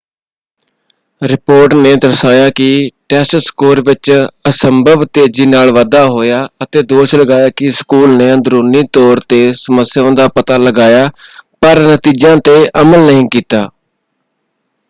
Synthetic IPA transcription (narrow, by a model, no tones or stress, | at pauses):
ɾɪpoːɾʈneːd̪əɾsaːjaːkɪʈɛːsʈskoːɾʋɪt͡ʃəsəmbʱəʋt̪eːd͡ʒiːnaːlʋaːd̪aːɦoːjaːət̪eːd̪oːʃləɡaːjaːkɪskuːlneːənd̪ɾoːniːt̪ɔːɾt̪eːsəməsjõːd̪aːpət̪aːləɡaːjaːpəɾnət̪iːd͡ʒãːt̪eːʔəməlnəɦĩːkiːt̪aː